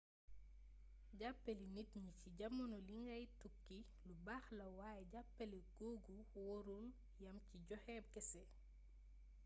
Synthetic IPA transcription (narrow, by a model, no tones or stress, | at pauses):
ɟapːelinitɲiciɟɐmːɐnɔliŋɡɐjtukːi | lubaːxlɐwaːjɛɟapːɐliɡ̥oːɡuwɔɾul | jɐmciɟɔxɛːb̚kɛsɛ